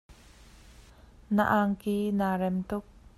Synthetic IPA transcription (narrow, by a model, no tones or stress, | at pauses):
naʔaŋkiːnaːrɛmt̪ʊk̚